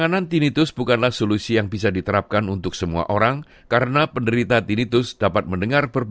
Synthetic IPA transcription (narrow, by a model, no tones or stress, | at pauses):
anant̪init̪ʊsbukanlahsolusijaŋbisadit̪əɾap̚kanunt̪ʊksəmua̰ʔoɾaŋ | kaɾənapəndəɾit̪at̪init̪ʊsd̥apat̪̚məndəŋarbərb